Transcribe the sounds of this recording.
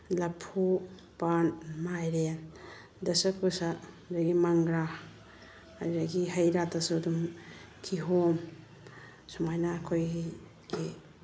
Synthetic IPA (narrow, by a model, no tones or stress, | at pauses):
lapʰu | panmajɾen | dɐsɐkʰusa | doɡimaŋɡɾa | ajɾaɡiɦajɾatʰasudum | kʰiɦom | sumajnaːkʰoj | ɡi